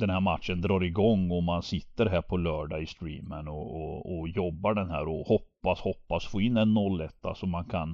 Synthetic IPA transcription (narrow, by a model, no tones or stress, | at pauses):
d̪ɛnhæɾmat̪ʂənd̪ɾɑːɾɪɡɔŋːɔmansɪt̪ːəɾɦæːɾpʰɔlœːɖaɪst̪ɾḭːmənɔːɔjɔbːaɖɛnɦæ̰ːɾɔhɔpːashɔpːasfoːɪnːɛnːɔlːɛt̪ʰːa̰sɔmːankʰan